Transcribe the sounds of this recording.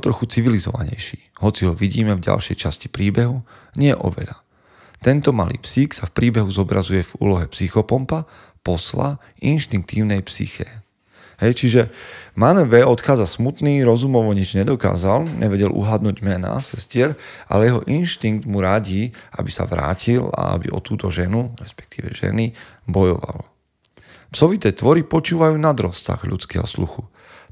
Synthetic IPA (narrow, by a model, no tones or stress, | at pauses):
t̪ɾɔxut͡siʋilizɔ̰ʋa̰ɲɛ̰jʃiːɦɔt͡siɦɔʋiɟiːmɛvɟa̰lʃɛjt͡ʃasci̥pɾiːbɛɦu | ɲɪɛʔɔ̰ʋɛ̰ʎa | t̪ɛnt̪ɔmalḭːpsiːksafpɾiːbɛɦuzɔbɾazujɛvṵːlɔɦɛpsixɔpɔmpa | pɔsla̰ | inʃt̪iŋk̚t̪iːʊnɛjpsḭxɛː | ɦɛjt͡ʃiʒɛmanɛʋɛɔt̪xaːd͡zasmut̪niːɾɔzumɔʋɔɲid͡ʒɲɛd̪ɔka̰ːzalɲʔɛʋɛɟɛlʔṵɦad̪nuːɟmɛna̰sɛscɪɛɾʔa̰lɛjɛɦɔ̰ʔinʃt̪iŋɡ̚d̪muɾaɟiabisa̰ʋɾa̰ːcʰila̰a̰bḭʔɔ̰t̪uːt̪ɔʒɛnuɾɛspɛ̥k̚t̪iːʋɛ̰ʒ̥ɛ̰ni | bɔjɔʋa̰l | psɔʋit̪ɛːt̪ʋɔɾipɔt͡ʃuːʋajuːnad̪ɾɔsːa̰ɣʎṵt͡skɛ̰ːɦɔ̰slṵxu